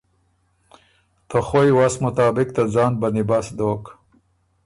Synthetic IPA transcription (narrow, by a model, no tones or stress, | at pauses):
t̪ʰəxojwasmʊt̪ɑːbɪkt̪ad͡zɑːnbanibasd̪oːk